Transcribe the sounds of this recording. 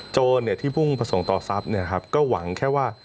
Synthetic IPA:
t͡ɕoː˧nːi˥˩ɐt̪ʰiː˥˩pʰu˥˩ŋpɾa˧so˩˦ŋt̪ɔː˨˩sa˦˥p̚ni˥˩ɐkʰa˦˥p̚kɔː˥˩wa˩˦ŋkʰɛː˥˩waː˥˩

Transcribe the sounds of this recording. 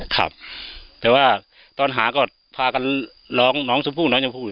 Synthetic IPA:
kʰa̰˧˩p̚t̪ɛː˨˧˦waː˧˩ | t̪ɔː˧˩nɦaː˨˦kɔː˧˩ | pʰaː˧ka˧˨n | lɔː˨˦˥ŋnɔː˧˥˨ŋso˨˦mpʰuː˧˩nɔː˨˦˥ŋɲa˧˦pʰuː˧˩˧

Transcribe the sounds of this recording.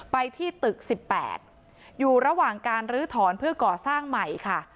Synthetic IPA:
pa˧jt̪ʰiː˥˩t̪ɯ˨˩k̚si˨˩pːɛ̰ː˨˩t̪̚ | juː˨˩ɾa˧waː˨˩ŋkaː˧nɾɯː˦˥t̪ʰɔː˩˦npʰɯ˥˩ɐkɔː˨˩saː˥˩ŋma˨˩jkʰa˥˩

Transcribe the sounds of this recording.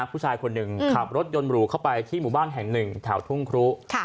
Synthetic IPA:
a˦˥pʰuː˥˩t͡ɕʰaː˧jkʰo˧nːɯ˨˩ŋkʰa˨˩p̚ɾo˦˥t̪̚jo˧nɾuː˨˩˦kʰa˥˩wpa˧jt̪ʰiː˥˩muː˨˩˦baː˥˩nɦɛ˨˩ŋnɯ˨˩ŋt̪ʰɛ˩˦wt̪ʰu˥˩ŋkʰɾu˦˥kʰ

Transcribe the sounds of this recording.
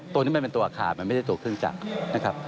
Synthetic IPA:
t̪u˧ni˦˥ma˧npe˧nt̪u˧ɐʔa˧kʰa̰ː˨˩ma˧nm˥˩da˥˩t̪u˧˩kʰɾɯ˥˩əŋt͡ɕa̰˨˩k̚na˦˥kʰɾa˦˥p̚

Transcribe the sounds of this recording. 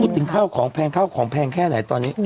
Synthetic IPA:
uː˦˥˩t̪ʰɯ˩˦ŋkʰaː˥˩wkʰɔː˩˦ŋpʰɛː˧ŋkʰaː˥˩wkʰɔː˩˦ŋpʰɛː˧ŋkʰɛː˥˩na˩˦jt̪ɔː˧nːiː˦˥

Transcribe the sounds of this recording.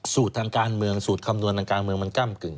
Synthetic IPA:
suː˨˩t̪̚ʰːaː˧ŋkaː˧nmɯ˧əŋsuː˨˩t̪̚kʰa˧mnu˧ənt̪ʰaː˧ŋkaː˧nmɯ˧əŋma˧nka˥˩mkɯ˨˩ŋ

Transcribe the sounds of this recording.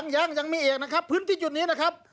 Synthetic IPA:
ŋjaː˧˥˩ŋja˨˩ŋmiː˧˩ʔeː˨˩k̚na˦˥˩kʰa˦˥pʰːɯː˧˥˨nt̪ʰiː˧˩t͡ɕu˨˩t̪̚niː˦˥na˦˥˩kʰa˦˥p̚

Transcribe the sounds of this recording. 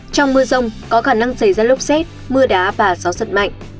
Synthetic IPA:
t͡ɕɔ˧wŋ͡mmɨ˧əzə˧wŋ͡mkɔ˨˦xaː˧˩na˧ŋsə˧˩jzaː˧lʊ˦˥k͡p̚sɛ˦˥t̚ | mɨ˧əɗaː˨˦vaː˨˩zɔ˨˦sə˨˩t̚ma̰˧˨jŋ̟

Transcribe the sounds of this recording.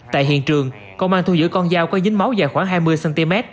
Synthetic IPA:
t̪a̰ː˧˨jɦḭ˧˨ənt͡ɕɨ˨˩əŋ | kə˧wŋ͡mʔaː˧nt̪ʰu˧zɨ̰˧˥kɔ˧nzaː˧wkɔ˨˦zɨ̈˨˦ŋ̟ma˨˦wzaː˨˩jxwaː˧˩ŋɦaː˧jmɨ˧əjsɛ˧nt̪i˧mɛ˦˥t̚

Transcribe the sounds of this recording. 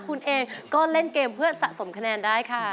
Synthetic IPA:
kʰu˧nʔeː˧ŋkɔː˥˩le˥˩nkeː˧mpʰɯ˥˩ɐsa̰˨˩ʔso˩˦mkʰa˧nɛː˧ndaː˥˩jkʰa˥˩

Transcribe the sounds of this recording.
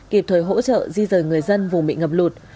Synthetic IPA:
ki˨˧˩p̚t̪ʰəː˨˩jɦo̰˧˥t͡ɕə̰ː˧˨zi˧zəː˨˩jŋɨ˨˩əjzə˧nvʊ˨˩ŋ͡mɓḭ˧˨ŋə˨˩p̚lu˨˩t̚

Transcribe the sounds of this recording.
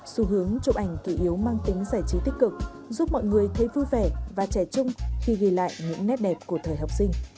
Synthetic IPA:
su˧˦ɦɨ˨˦əŋt͡ɕʊ˧˥ʔa˧˩jŋ̟ki˧˩ʔi˨˦əwmaː˧ŋt̪ï˨˦ŋ̟zaː˧˩jt͡ɕi˨˦t̪i˦˥k̚kɨ˨˩k̚ | zu˦˥p̚mɔ̰˧˨jŋɨ˨˩əjt̪ʰə˨˦jvu˧jvɛ˧˩vaː˨˩t͡ɕɛ˧˩t͡ɕʊ˧ŋ͡mxi˧ɣi˧˩la̰ː˧˨jɲɨ̰˧˥ŋnɛ˦˥t̚ɗɛ˨˩p̚ku˧˩ət̪ʰəː˨˩jɦa˨˩wp̚sï˧ŋ̟

